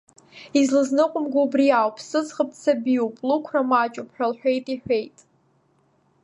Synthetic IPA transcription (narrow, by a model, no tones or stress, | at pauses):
izlɨznɨqʷʼʊmɡʷaubriawpʰsɨzχəp̚ʰt͡sʰabiupʼlukʷʰramat͡ʃʼʊpʰħᶣalħʷᶣejtʼiħᶣʷe̞jtʼ